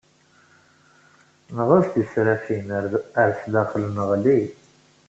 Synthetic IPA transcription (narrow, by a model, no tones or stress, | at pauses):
nəʁʊsd̪isɾæfinəɾəɾslæχlənəʁli